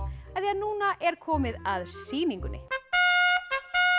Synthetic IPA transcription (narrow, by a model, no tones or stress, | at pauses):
aθiaðnuːnaʔɛɾ̥kʰɔːmɪðaðsiːniŋkʏnːɪ̰